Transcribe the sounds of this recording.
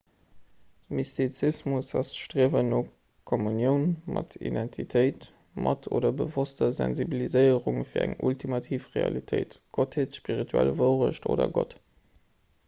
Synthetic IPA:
mistʰit͡sismusɑsʃtʁiəvəno | kʰomunjəʊnmʔɑtʰḭdɛntʰitʰəɪt | mʔɑtʰo̰ːdɐbəvostɐzæ̰nzibilizəɪəʁuŋfiːɐæŋultʰimɑtʰiːfʁeɑ̰litʰəɪtɡ̥otʰheːtʃpiʁitʰuæ̰lvəʊʁə̰ʃto̰ːdɐ̰ɡo̰t

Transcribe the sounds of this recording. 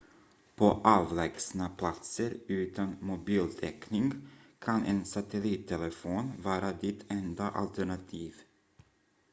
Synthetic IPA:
pʰoʔɑːvlɛɡsnapʰlat̪səɾʉ̟ːt̪anmʊbiːlt̪ʰɛknɪŋkʰanʔɛ̰nsat̪ʰɛliːt̪ʰːɛlɛfoːnvɑːɾad̪ɪt̪ʰɛnd̪aʔa̰lt̪ʰæɳat̪ʰiːv

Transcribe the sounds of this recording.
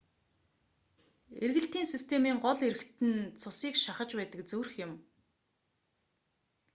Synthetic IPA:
erɣɘ̆ɬt̪iːnsist̪ʰemiːŋɢɔɮeɾɘ̆kt̪ʰɘ̆nt͡sʰʊsiːkʃaχə̆t͡ɕpæːt̪ə̆kt͡sɵwrxjɪ̆m

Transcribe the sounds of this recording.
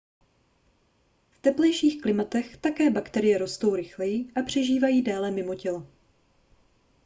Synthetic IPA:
ft̪ɛplɛjʃiːxklɪmat̪ɛxt̪akɛːbakt̪ɛɾɪjɛɾo̞st̪o̞wɾɪxlɛjɪʔapr̝̥ɛʒiːvajiːdaːlɛmɪmo̞cɛl

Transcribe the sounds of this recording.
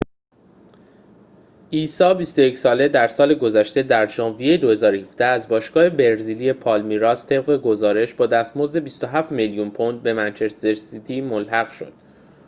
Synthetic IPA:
ʔiːsɒːbist̪oje̞csɒːle̞d̪æɾsɒːle̞ɡo̞zæʃt̪e̞d̪æɾʒɒːnvijejed̪o̞he̞zɒːɾohifd̪̥ææzbɒːʃɡ̥ɒːhe̞be̞ɾzilie̞pʰɒːlmiɾɒːst̪ʰe̞b̚ɢe̞ɡo̞zɒːɾe̞ʃbɒːd̪æst̪mozd̪e̞bist̪o̞ɦæft̪meljunpʰond̪̚be̞mænt͡ʃʰe̞st̪eɾsit̪ʰimolɦæɣʃo̞̰d̪̥

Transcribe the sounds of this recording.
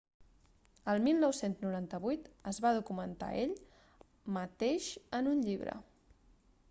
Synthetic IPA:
əlˠmilˠnɔwsenznuɾant̪əβujt̪əzβaðukumənt̪a̰ʔeʎ | mət̪eʃənunʎiβ̞ɾə̰

